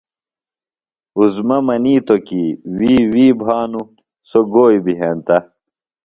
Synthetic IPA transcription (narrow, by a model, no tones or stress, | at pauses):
uzmɐmɐniːt̪okiwiːwiːbʱaːnu | soɡoːjbiɦeːnt̪ɐ